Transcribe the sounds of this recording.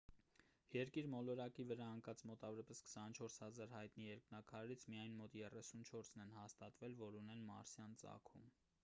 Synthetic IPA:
jɛɾkiɾmɔlɔɾɑkivəɾɑəŋkɑt͡smɔt̪ɑvɔɾɑpɛskʰsɑnt͡ʃʰɔɾshɑzɑɾhɑjt̪nijɛɾknɑkʰɑɾɾit͡sʰmijɑjnmɔt̪jɛrɛsunt͡ʃʰɔɾsnɛnhɑst̪ɑt̪vɛlvɔɾunɛnmɑ̰ɾsjɑnt͡sɑ̰kʰṵm

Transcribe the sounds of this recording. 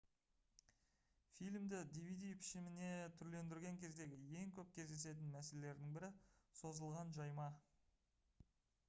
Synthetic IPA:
fijlʲmd̪ɪd̪ijvijd̪ijpʰɪ̥ʃɪmɪne̞t̪ʰʏɾle̞nd̪ɪɾɡʲe̞ŋkʲʰe̞zd̪e̞ɡʲɪje̞ŋkʲʰɵp̚kʲʰe̞zd̪e̞se̞t̪̬ɪnmæsele̞le̞ɾd̪ɪŋbɪɾɪso̞zəlˠʁɑnʒɑjmɑ

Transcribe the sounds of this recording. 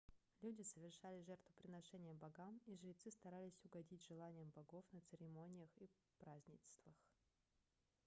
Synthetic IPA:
lʲudʲɪsəvʲɪrʂalʲɪʐɛrt̪vʊpɾʲɪnɐʂɛnʲɪjəbɐɡamiʐɾʲɪt̪sɨst̪ɐɾalʲɪsʲʊɡɐdʲitʲʐɨlˠanʲɪjəmbɐɡo̞fnət̪sɨɾʲɪmo̞nʲɪjəxi | pɾazʲnʲɪst̪vəx

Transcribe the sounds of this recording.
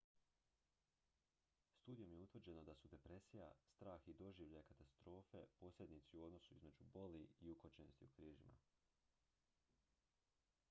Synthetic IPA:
st̪uːd̪ijo̞mjeut̪ʋrd͡ʑe̞no̞d̪asud̪e̞pɾe̞sija̰st̪ɾaːxid̪o̞ʒiːʋʎajekat̪ast̪ɾo̞ːfe̞po̞ːsʎʲe̞d̪nit̪siuo̞d̪no̞suizme̞d͡ʒubo̞liiukot͡ɕenost̪iukɾiːʒima̰

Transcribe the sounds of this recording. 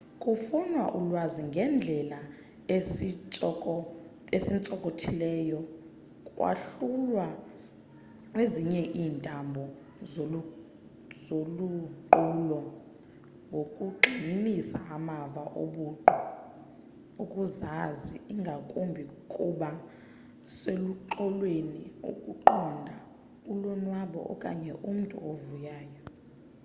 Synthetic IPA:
kʼufunwaʔulwaziŋɡʱɛnd͡ɮʱɛla | esint͡sʼɔkʼotʰilɛːjɔ | kʼwa̰ɬulwa | kweziɲɛʔiːntʼambʱɔ | zoluǃuːlɔ | ŋɡʱokʼuɡ͡ǃʱinisa̰ʔamavaʔoɓuːǃɔ | ukʼuzaziiŋɡʱakʼumbʱikʼuɓa | seluǃɔlweniṵkʼuǃɔndʱa | ulɔnwaɓɔ̰ʔɔ̰kʼa̰ɲɛʔum̩tʼṵovujaːjɔ

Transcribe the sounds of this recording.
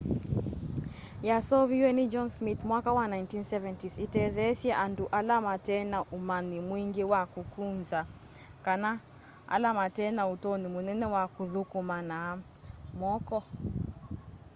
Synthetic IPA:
jasɔviwɛnid͡ʒɔnsmit̪mwakawanaintinsɛvɛntisitɛðɛsjɛʔanduʔalamatɛnaʔumanimwiŋɡewakukunza | kana | a̰lamatɛnautɔnimunɛnɛwakuðukumana | mɔkɔ

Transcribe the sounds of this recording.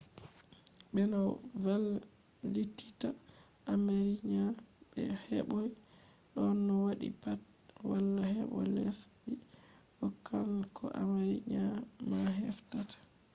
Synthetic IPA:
bɛnavalː | itːi̥ta | ʔːmeɾiɲa | ɓɛ̰hɛɓɔj | ɗɔnːɔwaɗḭpat̚ | walːahɛɓɔlesɗi | ʔɔkʰːalkʰɔʔamaɾḭɲamaɦɛftatḁ

